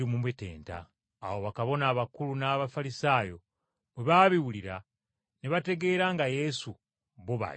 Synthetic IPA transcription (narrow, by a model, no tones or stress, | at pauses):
imumwete̞̰ːnta̰ː | wo̞βakaβo̞naːβakulunaːβafalisaːjo̞ | mweβaːβiwuliɾa | neβate̞ɡe̞ːɾaːŋɡaje̞su | βoβa̰